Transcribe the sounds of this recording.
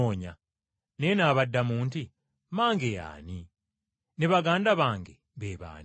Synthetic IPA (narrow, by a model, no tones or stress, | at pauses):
oːɲa | neːnaːβadːamuːnti | maːŋɡeja̰ːni | neβaɡaːndaβaːŋɡe | βeːβa̰ːn